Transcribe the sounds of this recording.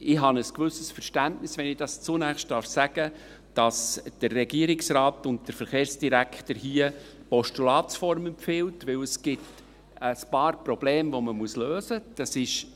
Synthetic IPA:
ɪɦɑnəskvʏsəsfəɾʃtæntnɪsʋɛnɪd̥ɑst͡sunæχʃt̚d̥ɑːɾfsæɡ̥ə | d̥ɑsd̥ərːɛɡiəɾɪksɾɑːtʊnt̚d̥əɾfəɾχeːɾsd̥iɾækʰtəɾhiə | pɔʃtulɑːtsfɔɾmɛmpfɪːltʋɪwəsɡ̥ɪt | əspɑːɾprɔb̥leːmvoməmuəsløːzəd̥ɑsɪʃ

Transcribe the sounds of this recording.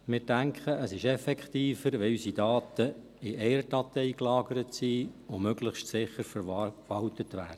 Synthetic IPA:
mɪːɾdæŋkʰχəʔəsɪʃɛfɛkχt̪iːfəɾʋɛysid̥ɑːt̪ə | ɪʔɛːɾtɑt̪ɛɪklɑːɡəɾətsiːomøɡləχʃtsɪχəɾfəɾʋɑwtət̪ʋæːdə

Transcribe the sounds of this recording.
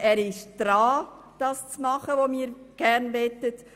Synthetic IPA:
ʔæːɾɪʃd̥ɾɑː | d̥ɑːst͡smɑχəʋomiːɾɡ̥æɾnʋɛtət

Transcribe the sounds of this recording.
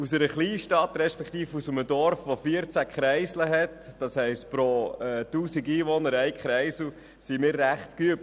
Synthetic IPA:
usəɾəχliːʃtɑt̪ɾɛʃpɛkχt̪iːfusəmədɔɾfʋofiəɾt͡sækχɾɛɪsləɦɛtd̥ɑshɛɪstpɾoɛtuːsiɡiːʋɔnəɾɛɪkχɾɛɪsl̩ | simɪːɾːæχtkyəp̚

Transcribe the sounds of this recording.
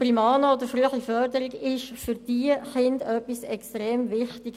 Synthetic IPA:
primɑːnəodəɾfryəχifœɾdəɾɪɡɪʃfyɾd̥iːχɪndœpːisɛkstʁeːmvɪχtɪɡ̥

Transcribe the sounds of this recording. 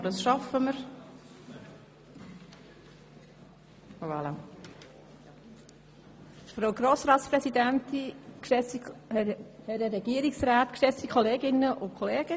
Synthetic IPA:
dɑsʃɑfəməɾ | ɑla | fɾowɡɾoːsɾɑːt̪spɾɛsid̪ænt̪ikʃɛ | hɛɾəɾɛɡ̥iəɾɪksɾaːt̪kʃɛstikʰχɔleːɡɪnːəʔʊkʰɔleːɡ̥ə

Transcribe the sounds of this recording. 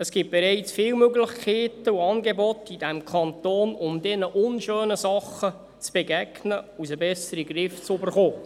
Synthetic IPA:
əsɡ̥ɪp̚b̥eɾɛɪt͡sfɪːwmøɡləχkʰɛːtəuɑːnɡebɔtidæmkʰɑntoːnʊmdɛnəʔʊnʃøːnəzɑχə | t͡sb̥eɡæɡ̥nəusəbɛsəɾiɡrɪft͡søbərχoː

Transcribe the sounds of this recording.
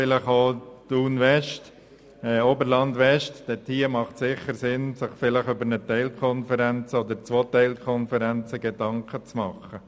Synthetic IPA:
ɪləχoːtuːnʋɛʃt | ɛobəɾlɑnd̪ʋɛʃtd̥ɛtʰiːəmɑχtsɪχəɾsɪnsɪχfɪləχʏbəɾnət̪ɛɪlkʰɔnfəɾɛnt͡səod̪ət͡sʋoːt̪ɛɪlkʰɔnfəɾɛnt͡səɡ̥edɑŋkʰət͡smɑχə

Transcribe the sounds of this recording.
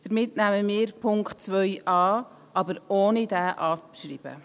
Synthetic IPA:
d̥əɾmɪtnæməmiːɾpʰʊŋkt̚t͡sʋœjʔɑː | ʔɑbəɾoːnidæːʔɑːʃriːb̥ə̰

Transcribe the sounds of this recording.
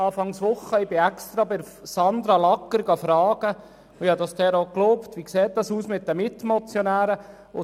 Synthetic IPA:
ɑːfɑŋsʋʊχəɪbɪɛkst̪ɾɑbɪɾ | sɑnd̪ɾɑlɑkːəɾɡɑfɾɑːɡ̥ə | ʊɪhɑd̪ɑsd̥ɛːɾokloːptʋikseːt̚dɑsuːsmɪt̚dəmɪtmɔt͡sjɔnæːɾə | ʊ

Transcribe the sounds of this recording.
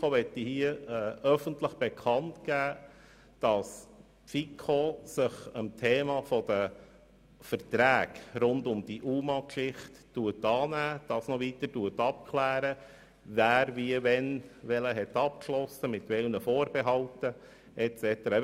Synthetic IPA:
oʋɛtːihiəɛœfəntləχb̥ɛkʰɑntkæː | d̥ɑs | pfikʰosɪχəmtʰeːmɑfɔd̥̪ə | fəɾtɾæːɡɾʊndʊmd̥̪iʔuːmɑkʃɪχtːuətɑːnæːd̥ɑːsnɔʋitətuətɑp̚kʰlæːɾə | væːɾviəvɛnʋɛləɦɛt̪ɑp̚kʃlɔsəmɪt̪ʋɛlnəfoːɾbɛɦɑltə | ʔɛt͡sɛt̪əɾɑ

